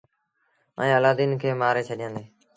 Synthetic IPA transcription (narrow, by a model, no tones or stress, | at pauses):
ə̰ẽːəlaːd̪iːnkʰeːmaːɾeːt͡ʃʰəɗɪjãːnd̪eː